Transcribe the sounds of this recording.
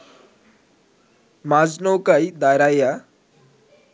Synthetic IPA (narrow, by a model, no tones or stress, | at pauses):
mad͡znowkaid̪ajɾaja